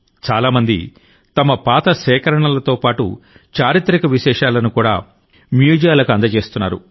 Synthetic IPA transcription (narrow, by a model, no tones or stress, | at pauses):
t͡ʃaːlaːmɐnd̪ḭ | t̪ɐmɐpaːt̪ɐʃɛːkɐɾɐɳɐlɐt̪o̞ːpaːʈṵ | t͡ʃaːɾit̪ɾikɐʋiʃɛːʂaːlɐnukuːɽa̰ː | mjuːd͡ʒjaːlɐkɐnd̪ɐt͡ʃe̞ːst̪unːaːɾṵ